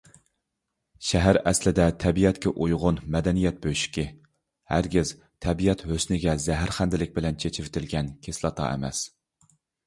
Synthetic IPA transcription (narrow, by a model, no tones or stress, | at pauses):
ʃæɦæɾæslɪd̪ɛt̪ʰɛbijɛt̪kʲɛʔujʁʊnmɛd̪ɛnijɛt̪̚bøʃi̥kʲɪ | hæɾɡʲɪz | t̪ʰɛbijɛt̪høsnɪɡʲɛzæɦæɾχænd̪ɪlɪk̚ʲbɪlɛnt͡ʃʰet͡ʃʰɪvɪt̪ʰɪlɡʲɛnkʲʰeslˠɑt̪ʰɑ̰ʔḛmɛ̰s